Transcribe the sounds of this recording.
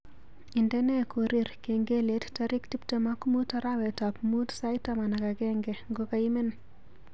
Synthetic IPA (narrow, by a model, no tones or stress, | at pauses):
indɛnɛkoɾiɾkeŋɡelettaɾiktiptemakmutaɾawɛtapmutsajtamanakaɡɛŋɡɛŋɡokaimen